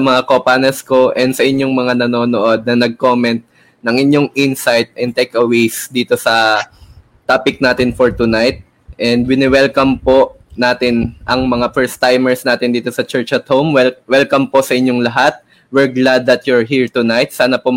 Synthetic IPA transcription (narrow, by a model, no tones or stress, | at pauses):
ɐmɐŋakopaːnɛsko̞ʔɛnd̪sɐʔɪɲjoŋmɐŋanɐno̞ːnoʔod̪̚nɐnɐɡ̚ko̞ːmɛnt̪̚ | nɐŋʔɪɲjoŋʔɪnsajt̪̚ʔɛnt̪ɛkʔɐwejsd̪iːt̪o̞sɐ | t̪aːpɪk̚naːt̪ɪnfoɹt̪ʊnajt̪̚ | ʔɛnd̪wɪnɪwɛlkɐmpo̞ʔ | naːt̪ɪnʔɐŋmɐŋafɛɹst̪ːajmɛɹsnaːt̪ɪnd̪iːt̪o̞sɐt͡ʃɛɹt͡ʃɐt̪̚howmwɛwɛlkɐmpo̞sɐʔɪɲjoŋlɐɦat̪̚ | wɛɹɡlad̪ːɐt̪̚jʊɹɦiɹt̪ʊnajt̪̚saːnɐpo